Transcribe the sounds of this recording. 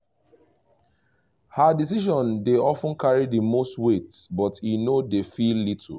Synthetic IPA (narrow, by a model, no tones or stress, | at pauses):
hadis̬iʃɔ̃ndeɔfə̃nkʰaɹidəmostwetbɔtinodefilːit̩ʰ